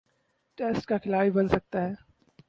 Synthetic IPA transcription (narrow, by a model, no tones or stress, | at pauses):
ʈeːsʈkakʰɪlaːibɐnsɐk̚t̪aɦɛː